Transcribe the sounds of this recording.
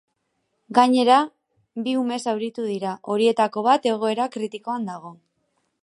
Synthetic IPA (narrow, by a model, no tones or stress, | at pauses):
ɡaɲe̞ɾa | biume̞sawɾit̪uðiɾaʔo̞ɾie̞t̪ako̞β̞at̪e̞ɣ̞o̞e̞ɾakɾit̪iko̞and̪aɣ̞o̞